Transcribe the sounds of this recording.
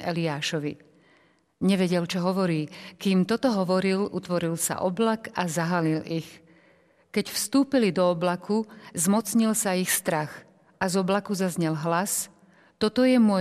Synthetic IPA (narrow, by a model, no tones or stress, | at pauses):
ɛ̰liaːʃɔʋḭ | ɲɛʋɛɟɛlt͡ʃɔɦɔʋɔɾiːkiːmt̪ɔt̪ɔɦɔʋɔɾilṵt̪ʋɔɾilsa̰ʔɔblakazaɦalilix | kɛcfst̪uːpilid̪ɔɔblakuzmɔt͡sɲilsaixst̪ɾax | ʔazɔblakuzazɲɛlɦlas | t̪ɔt̪ɔjɛmʊɔ